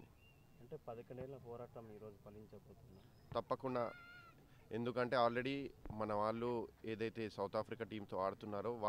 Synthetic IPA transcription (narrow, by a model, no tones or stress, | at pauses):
ɐɳʈeːpɐd̪ɐkɐɳɖɛlnɐpɔːɾaːʈɐmiːɾo̞ːd͡ʒupɐliɲt͡ʃɐboːt̪unːaː | t̪ɐpːɐkuɳɖa̰ | e̞nd̪ukɐɳʈe̞ːaːlɾe̞ɽimɐnɐʋaːɭːue̞ːd̪ɐjt̪e̞ːsɐwt̪ʰaːpʰɾikaːʈiːmt̪o̞ːaːɽut̪unːaːɾoːʋaː